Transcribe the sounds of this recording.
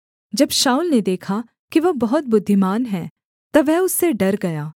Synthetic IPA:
d͡ʒɐbʃaːulned̪eːkʰa | kiʋɐbɐɦʊt̪̚bʊd̪ʱːɪmaːnɦɛ̃ | t̪ɐʋɛɦʊsːeɖɐɾɡɐjaː

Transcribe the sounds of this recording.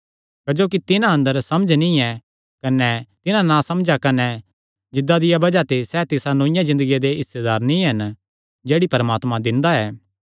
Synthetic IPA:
kɐd͡ʒoːk̬it̪ɪnãɐ̃nd̪əɾsɐməd͡ʒʱnĩɛ | kɐnɛt̪ɪnãnãsɐmd͡ʒakɐnɛ | d͡ʒɪd̪ːad̪ɪjabɐd͡ʒat̪esɛt̪ɪsanoːɪ̃jãzɪ̃nd̪əɡijad̪eɪsːed̪aːɾnĩɦɐn | d͡ʒeːɽipɐɾmaːt̪mãd̪ɪ̃nd̪aɛː

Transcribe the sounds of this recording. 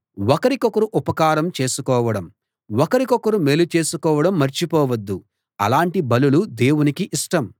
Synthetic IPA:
wɔkɐɾikɔkɐɾuʔupɐkaːɾɐmt͡ʃe̞ːsukɔːʋɐɽɐm | wɔkɐɾikɔkɐɾume̞ːlut͡ʃe̞ːsukɔːʋɐɽɐmːɐɾt͡ʃipɔːʋɐd̪ːu | ɐ̰laːɳʈibɐlulud̪e̞ːwunikiʔiʂʈɐm

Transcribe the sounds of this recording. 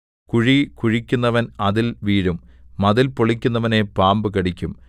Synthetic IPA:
kuɻikuɻikʲːunːɐʋɐnɐðilʋiːɻumːɐðilpoɭikʲːunːɐʋɐne̞paːmbɨkɐɽikʲːum

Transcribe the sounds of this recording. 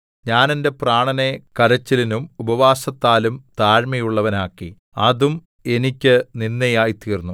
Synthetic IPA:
ɲaːnende̞praːɳɐne̞kɐɾɐt͡ɕːilinumubɐʋaːsɐt̪ːaːlumt̪aːɻmɐjuɭːɐʋɐnaːkːi | ɐðum | e̞nikʲːɨninːɐjaːjit̪iːrnːu

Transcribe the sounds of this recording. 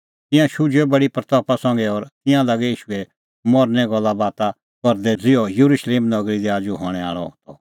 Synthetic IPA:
t̪ɪ̃jãʃʊd͡ʒɛbɐɽipɾɐt̪ɔːpasɐ̃ŋɡɛɔːɾt̪ɪ̃jãlɐɡɛiːʃʊɛ | mɔɾnɛɡɔlːabaːt̪a | kɔɾd̪ɛd͡zɪjɔjuɾuʃleːmnɐɡɾid̪ɛaːd͡ʒuɦɔɽ̃ɛa̰ːɭɔ̰t̪ɔ

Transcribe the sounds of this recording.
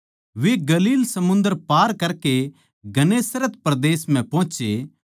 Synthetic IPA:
ʋeɡɐliːlsɐmʊ̃nd̪əɾpaːɾkɐɾke | ɡɐneːsɾət̪pɾɐd̪eːsmɛ̃pɔ̃ːt͡ʃe

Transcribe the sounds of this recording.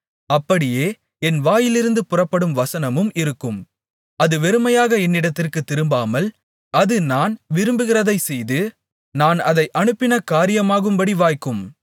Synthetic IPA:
ɐpːɐɽɪjeː | ɛnʋaːjɪlɪɾɯnd̪ɯpʊrɐpːɐɽɯmʋɐsɐnɐmɯmɪɾɯkːɯm | ɐðɯʋɛɾɯmɐjaːɣɐɛnːɪɽɐt̪ːɪrkɯt̪ːɪɾɯmbaːmɐl | ɐðɯnaːnʋɪɾɯmbɯɣɪrɐðɐɪsɛjðɯ | naːnɐðɐɪʔɐnɯpːɪnɐkaːɾɪjɐmaːɣɯmbɐɽiʋaːjkːɯm

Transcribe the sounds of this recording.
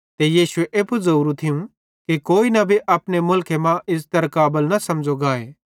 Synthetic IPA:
t̪ejiːsʊeʔeːpuzɐɾuːɾut̪ʰɪjũ | kikoːinɐbʱiʔɐpnemʊlkʰemãʔɪs̬t̪ɐɾkaːbəlnɐsɐmd͡ʒoɡaːeː

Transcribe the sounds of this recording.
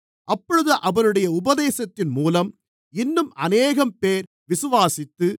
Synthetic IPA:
ʔɐpːɔɻɯðɯʔɐʋɐnɯɽɐjɐʊbɐðeːsɐt̪ːɪnmuːlɐm | ɪnːɯmɐneːɣɐmpeːɾ | ʋɪsɯʋaːsɪt̪ːɯ

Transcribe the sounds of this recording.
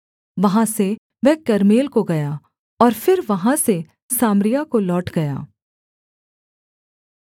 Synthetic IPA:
ʋɐɦãse | ʋɛɦkɐɾmeːlkoɡɐja | ɔːɾfɪɾʋɐɦãse | saːmɾijakolɔːʈɡɐja̰ː

